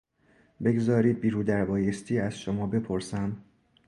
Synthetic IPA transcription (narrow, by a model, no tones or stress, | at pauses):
be̞ɡzɒːɾiːd̪̚biːɾuːd̪æɾbɒːjest̪ʰiːæz̥ʃomɒːbe̞pʰo̞ɾsæm